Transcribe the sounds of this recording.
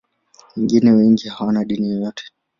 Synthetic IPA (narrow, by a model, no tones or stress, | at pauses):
wɛŋɡinɛwɛŋɡihawanaɗinijɔjɔtʰɛ̥